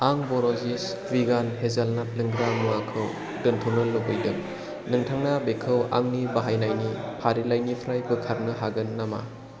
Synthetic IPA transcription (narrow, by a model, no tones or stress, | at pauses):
aŋbɔɾozis | viɡanhezalnat̚lɯŋɡɾamakʰɯw | dɯntʰonɯlːɯbɯjdɯk | nɯŋtʰaŋnabekʰɯwa̰ŋnibaɦajnajni | pʰaɾilajnipʰɾajbɯkʰaɾnɯɦaɡɯnːama̰